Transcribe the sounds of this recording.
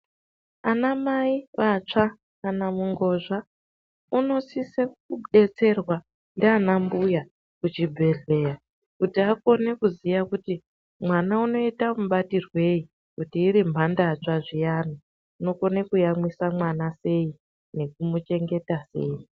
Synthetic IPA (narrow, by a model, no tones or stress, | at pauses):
anamaiʋat͡ʂa | kanamuŋɡo̞ʐa | uno̞sisekuɗe̞t͡se̞rwa | ndeanambuja | kut͡ʃibʱe̞ɮe̞ja | kutiako̞ne̞kuzijakuti | mwanauno̞itamuɓatirwe̞i | kutiːɾimbʱandat͡ʂaʐijaːno | uno̞ko̞nekujamwisamwanase̞i | ne̞k̚umut͡ʃe̞ŋɡe̞tasḛːi